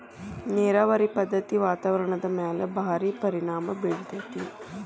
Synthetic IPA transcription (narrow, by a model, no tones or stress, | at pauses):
neːɾaːʋɐɾipɐd̪ʱːɐt̪iʋaːt̪aʋɐɾɐɳɐd̪ɐmaːlɐbʱaːɾiːpɐɾiɳaːmɐbiɭid̪ɐt̪i